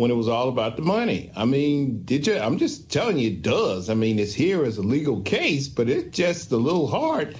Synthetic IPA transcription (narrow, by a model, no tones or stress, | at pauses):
wə̃ñɨt̚wʌzɔlˠəbaʊt̪̚ðəmʌnḭa̰ɪmĩndɨd͡ʒɨã̰ɪ̃md͡ʒʌstʰɛlˠɪ̃ŋɨt̚d̥ʌzaɪmĩnɨtshiɹɨzəliɡl̩ˠkʰeɪsb̥ʌɾɪtsd̥ʒ̥ʌstəlɪɾl̩ˠɦɑɹt̚